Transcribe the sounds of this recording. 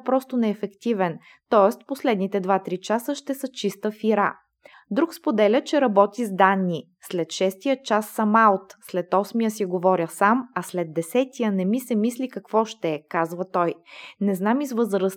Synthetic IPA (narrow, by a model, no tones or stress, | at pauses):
pɾɔst̪onɛːfɛkt̪ivɛn | t̪ɔɛst̪poslɛd̪nit̪ɛd̪vat̪ɾit͡ʃasəʃt̪ɛsət͡ʃist̪əfiɾa | d̪ɾukspod̪ɛlʲət͡ʃɛɾɐbɔt̪izd̪anːi | slɛt̪ʃɛst̪ijət͡ʃasːɐmaot̪slɛt̪ɔsmijəsiɡovɔɾʲjəsamɐslɛd̪ːɛsɛt̪ijənɛmisɛmislikɐkvɔʃt̪ɛkazvət̪ɔjnɛznamizvɤzɾəs